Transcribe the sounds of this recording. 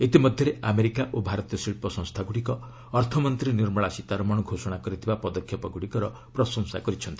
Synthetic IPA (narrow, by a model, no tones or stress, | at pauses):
et̪imɔd̪ʱjɔɾeʔameɾikaʔobʱaɾɔt̪jɔsiɭpɔsɔ̃ŋst̪ʰaɡuɽikɔː | ɾt̪ʰɔmɔnt̪ɾiniɾmɔɭasit̪aɾɔmɔɽɔɡʱosɔɽ̃akɔɾit̪ʰibapɔd̪ɔkʰːjɔpɔɡuɽikɔɾɔ | pɾɔsɔ̃ŋsakɔɾit͡ʃʰɔnt̪i̥